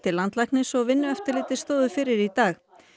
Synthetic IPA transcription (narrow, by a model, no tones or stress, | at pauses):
t̪ʰɪlant̪lajknɪsɔɣvɪnːʏɛft̪ɪɾlɪːt̪ɪ̥st̪oːwðʏfɪɾɪɾit̪aːx